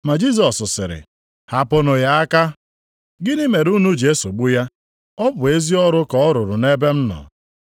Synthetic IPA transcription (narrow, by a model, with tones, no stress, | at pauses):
ma˨d͡ʒi˦sɔ˨sʊ˨sɪ̰˨ɾɪ̰˨ | ha˦po˦no˨ja˦a˦ka˦ | ɡɪ˦nɪ˦me˨ɾu˦nu˦d͡ʒe˦so˨ɡ͡bu˦ja˦ | ɔ˦bʊ˨e˦zi˦ɔ˦ɾʊ˦kɔ˨ɔ˦ɾʊ˨ɾʊ˨ne˦be˦m̩˦nɔ̰˨